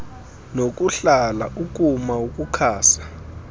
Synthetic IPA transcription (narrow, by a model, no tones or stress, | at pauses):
nok̬ʼuɬalaʔuk̬ʼumauk̬ʼukʰaːsḁ